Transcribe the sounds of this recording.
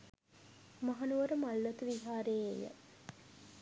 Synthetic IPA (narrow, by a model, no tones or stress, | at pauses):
maɦanuʋəɾəmalːɐt̪uʋiɦaːɾejḛjə̰